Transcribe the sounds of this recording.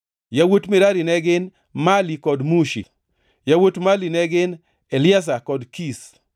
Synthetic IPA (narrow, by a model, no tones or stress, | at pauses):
jawotmɪɾaɾinɛɡɪn | malikɔdmuʃḭ | jawotmalinɛɡɪn | ɛlɪas̬akɔdkis